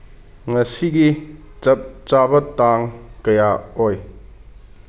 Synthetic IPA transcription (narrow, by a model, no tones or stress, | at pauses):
ŋɐsiɡi | t͡sɐp̚t͡sabɐt̪ːaŋkɐjaɔj